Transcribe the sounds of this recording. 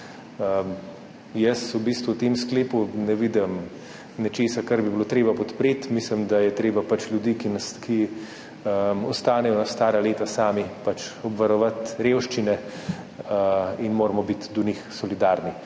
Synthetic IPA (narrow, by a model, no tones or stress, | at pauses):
əm | jəsubiːst̪ʋuwt̪emskleːpunɛʋid̪ɛm | nɛt͡ʃeːsakaɾbibilot̪ɾeːbapɔt̪pɾeːt̪mislimd̪ajɛt̪ɾeːbapat͡ʃlʲjud̪ikinski | əmɔst̪aːnɛjɔnast̪aːɾaleːt̪asaːmipat͡ʃɔbʋɐɾɔʋat̪ɾeːwʃt͡ʃinɛ | inmoːɾmɔbit̪d̪ɔnixsɔlid̪aɾni